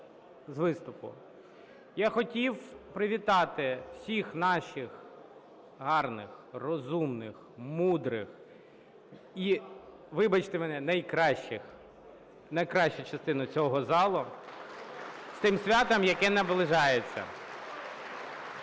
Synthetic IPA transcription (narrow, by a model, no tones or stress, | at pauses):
zʋɪst̪ʊpʊ̰ | jaxɔtʲiwpɾɪʋʲit̪ɑt̪ɪwsʲixnɑʃɪx | ɦɑrnɪxrɔzumnɪx | mud̪ɾɪx | i | ʋɪbɐt͡ʃt̪ɪmɛnɛnɐjkɾɑʃɪx | nɐjkɾɑʃʊt͡ʃɐst̪ɪnʊt͡sʲɔɦɔzɑlˠʊ | st̪ɪmsʲʋʲat̪ɐmjɐkɛnɐblˠɪʒɑjet͡sʲːɐ̰